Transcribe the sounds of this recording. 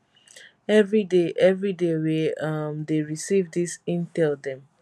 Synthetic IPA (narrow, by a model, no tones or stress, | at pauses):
ɛvɹideʔɛvɹideweʌmdeɹisivdisĩntɛldɛ̃m